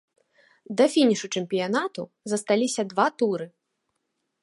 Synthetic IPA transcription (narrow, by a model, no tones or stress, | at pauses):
d̪ɐfʲinʲiʂut͡ʂɨmʲpʲijanat̪u | zɐst̪alʲisʲɐd̪vat̪uɾɨ